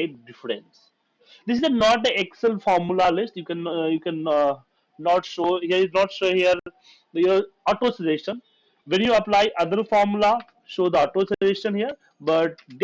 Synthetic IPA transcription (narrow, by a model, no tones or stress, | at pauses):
ekɖɪfɾḛ̃ns | d̪ɪsɪznɔːʈ̚d̪əɛksəlfɔːɾmulalɪsʈjukɛ̃njuːkɛ̃nː | ɔːʈʃoːhiəinɔːʈʃoːhiəɾ | jəɔʈoːsizeːʃə̃n | ʋɛ̃njuɐplaːɪʔɐd̪əɾfɔːɾmula | ʃoːd̪əɔʈosieːʃə̃nɦijəɾ | bɐʈ̚d